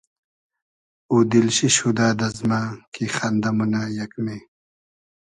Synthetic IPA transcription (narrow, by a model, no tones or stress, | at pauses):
ud̪ilɕiɕud̪aːd̪ɐzmaːkixɐnd̪ɐmunajɐkmeː